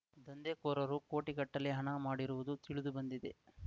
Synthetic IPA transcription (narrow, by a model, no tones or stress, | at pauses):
d̪ɐnd̪ekoːɾɐɾuko̞ːʈikɐʈːɐlːeɦɐɳɐmaːɽiɾuʋud̪ut̪iɭud̪ubɐnd̪id̪ḛ